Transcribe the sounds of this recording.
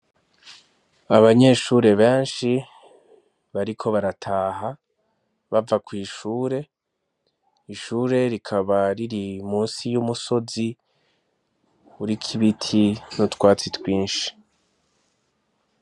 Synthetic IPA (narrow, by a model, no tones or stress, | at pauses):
aβaɲe̞ʃuːɾe̞βe̞ːnʃi | βaɾikʰo̞βaɾatʰaːɦa | βavakwiːʃuːɾe̞ | iʃuːɾe̞ɾikʰaβaɾiɾimuːnsijumuso̞zi | uɾikʰiβitʰinotkwaːt͡sitwiːnʃi̥